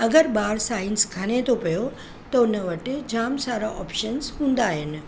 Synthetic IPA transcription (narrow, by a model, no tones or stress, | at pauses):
ɐɡəɾbaːɾsaːɪnskʰanet̪opɐjo | t̪ɐʊnəʋəʈed͡ʑaːmsaːɾaʔɔːpʃənsɦũːnd̪aːɦɪnɪ̆